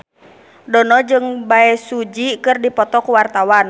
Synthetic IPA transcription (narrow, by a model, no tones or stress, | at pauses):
dɔnɔd͡ʒɨŋbaɛsud͡ʒikɨrdipɔt̪ɔkuwart̪awan